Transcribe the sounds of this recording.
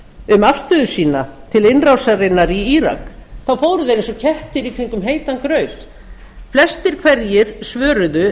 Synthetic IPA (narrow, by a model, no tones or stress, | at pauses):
ʏmafst̪ʏðʏ̥siːnat̪ʰɪlɪnrawsaɾɪnːaɾiiɾa̰kθawfoːwɾʏðeɾensɔcʰɛht̪ɪɾikʰɾiŋkʏmɦeːjt̪ankɾœɥt̪ | flɛst̪ɪɾ̥kʰvɛɾjɪɾ̥svœːɾʏðʏ